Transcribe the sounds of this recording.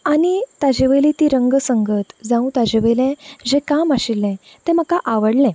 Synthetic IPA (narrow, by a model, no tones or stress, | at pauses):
anit̪ad͡ʑeʋəlit̪iɾəŋɡəsəŋɡət̪d͡zãũt̪ad͡ʑeʋəlɛ̃d͡ʑẽkamaɕilːɛ̃ | t̪ɛ̃m̤əkaʔaʋəɽlɛ̃